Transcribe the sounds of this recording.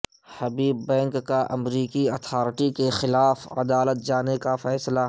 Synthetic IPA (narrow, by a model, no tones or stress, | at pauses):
hɐbiːbːɛ̃ːŋkːaʔɐmɾiːkiɐt̪ʰaːɾʈikexɪlaːfɐ̰d̪aːlət̪̚d͡ʒaːnekafɛːsla